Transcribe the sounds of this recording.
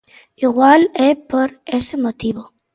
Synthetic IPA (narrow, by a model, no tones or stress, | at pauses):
iɣwalepoɾesemot̪iβo